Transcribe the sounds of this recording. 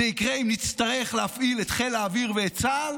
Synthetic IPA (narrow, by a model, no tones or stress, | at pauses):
eikʁeimnit͡st̪aʁe̞χlehafilet̪χelaːviʁveːt͡sal